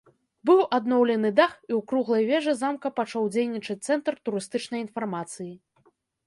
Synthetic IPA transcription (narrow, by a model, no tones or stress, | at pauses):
bɨwʔad̪nɔwlʲɛnɨd̪axiwkɾuɣlˠɐjvʲɛʐɨzamkɐpat͡ʂawd͡zʲejnʲit͡ʂɐt͡s̚ʲt̪sɛnt̪rt̪uɾɨst̪ɨt͡ʂn̪ɐjinfarmat̪sɨji